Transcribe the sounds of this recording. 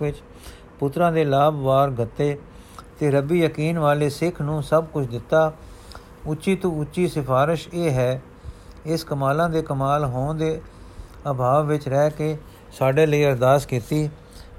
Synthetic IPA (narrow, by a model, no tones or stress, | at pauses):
ɪt͡ʃ | pʊt̪ɾãːd̪eːlaːbʋaːɾɡət̪ːeː | t̪eːɾəbiːjəkiːnʋaːleːsɪkʰnũːsəb̚kʊt͡ʃʰd̪ɪt̪ːaː | ʊtːʃiːt̪ũʊtːʃiːsɪpʰaːɾɪʃeːɦɛː | ɪskəmaːlãːd̪eːkəmaːlɦoːnd̪eː | əbʱaːʋʋɪt͡ʃɾɛːkeː | saːɖeːləiːəɾd̪aːskiːt̪iː